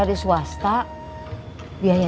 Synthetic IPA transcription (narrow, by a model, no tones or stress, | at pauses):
adisuast̪a | biaja